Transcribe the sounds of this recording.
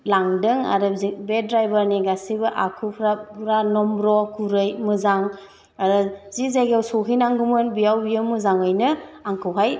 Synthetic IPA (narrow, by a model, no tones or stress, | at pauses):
laŋdɯŋa̰ɾɯzibedɾajbaɾniɡasibɯʔakʰupʰɾapʰɾanɔmbɾɔkuɾɯjmɯzaŋ | aɾɯzizaɡawsɔɦijnaŋɡumɯnbijawbijɯmɯzaŋɯjnɯaŋkʰɯwɦaj